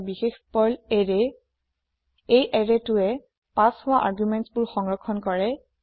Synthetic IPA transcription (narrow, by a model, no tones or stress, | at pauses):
bixexpɔlɹɛ | ejʔɛɹetʊɛ | pashʊwaʔaɹɡjumɛntsbʊɹxɔŋɹɔkʰːɔnkɔɹɛ